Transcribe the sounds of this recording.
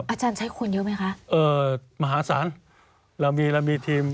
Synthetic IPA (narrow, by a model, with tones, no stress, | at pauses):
ʔaː˧˩t͡ɕaː˧nt͡ɕʰa˦˥jkʰu˧njiː˦˥ma˦˥jkʰa˦˥ʔʔɤː˧ma˧ɦaː˩˦sa̰ː˩˦n | lɛ˧˩miː˧lɛ˧miː˧t̪ʰiː˧m